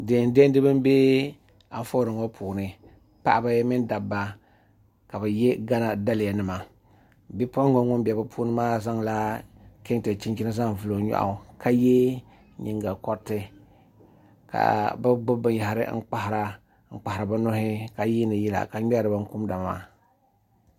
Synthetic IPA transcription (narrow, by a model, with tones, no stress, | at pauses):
deː˨n˦de˦n˦dɨ˦bɨ˦m˦be˦ | a˨ɱ˦fo˦ɾɨ˨ŋo˦pʰuː˨nɨ˨ | pa̰˦ʔa˨ba˦mɪ˦nda˨bːa˨ | ka˨bɛ˨jɛ˦ɡa˦na˦da˦lɪ˨ja˨nɨ˨ma˨ | bi˦pɔ˦ŋo˦ŋʊ˦mbi˨a˨bɨ˦pʰuː˦nɨ˦maː˦za˦ŋla˦ke˦ŋte˨t͡ʃi˦n˦ki˦nɨ˦za˦ŋvɨ˨lo˨ɲɔ̰˦˨ʔa̰˨ka˦je˦ | ɲi˨ŋɡa˨kɔ˦tɨ˦ | ka̰˨bɨ˦bʊ˦bɨ˨ja˨ha˨ɾɨ̰˦ŋ̩˦k͡pa˦hɾa˨ | ŋ̩˦k͡pa˨hɪ˨ɾa˨ba˦no˦ɦɪ˦ka˨jiː˦nɨ˨jɛ˦la̰˨ka˨ɲɛ˦ɾɨ˨ba˦ŋ˦ku˦m˦da˨m˨ma̰ː˦